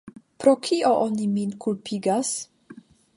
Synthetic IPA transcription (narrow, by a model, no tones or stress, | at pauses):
pɾokʰiʔoʔoniminkulpʰiɡas